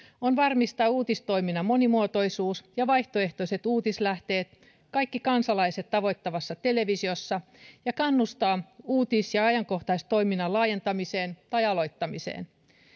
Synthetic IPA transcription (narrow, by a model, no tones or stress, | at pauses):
onʋɑrmist̪ɑːuːt̪ist̪o̞iminɑmo̞nimuot̪o̞ijsuːsjɑʋɑjht̪oe̞ht̪oise̞t̪uːt̪islæht̪e̞ːt̪ | kɑjkːikɑnsɑlɑise̞t̪tɑʋo̞jt̪ːɑʋɑsːɑt̪e̞le̞ʋisiosːɑ | jɑkɑnːust̪ɑːuːt̪isjɑɑjɑŋko̞ht̪ɑist̪o̞jminɑlɑːje̞nt̪ɑmise̞ːnt̪ɑjɑlo̞jt̪ːɑmisḛːn